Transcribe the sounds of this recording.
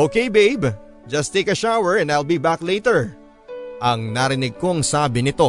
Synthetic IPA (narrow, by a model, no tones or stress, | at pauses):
ʔokejbejb | d͡ʒɐst̪eɪkɐʃawɛɹɛ̃najlˠbibaklejt̪ɛɹ | ʔɐŋnaɾɪnɪɡ̚ko̞ɐŋsaːbɪnɪt̪o̞